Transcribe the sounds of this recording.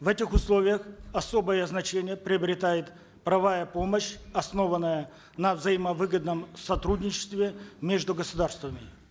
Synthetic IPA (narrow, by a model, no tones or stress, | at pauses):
vɛtʲɪxʊslˠo̞vʲɪjəxɐso̞bəjəznɐt͡ɕenʲɪjəpɾʲɪəbɾʲɪt̪ajɪt̪ | pɾɐvajəpo̞məɕɐsno̞vənːəjə | nəvzɐjɪməvɨɡəd̪nəmsɐt̪ɾudʲnʲɪt͡ɕɪ̥st̪vʲɪmʲeʐd̪ʊɡəsʊd̪arst̪vəmʲɪ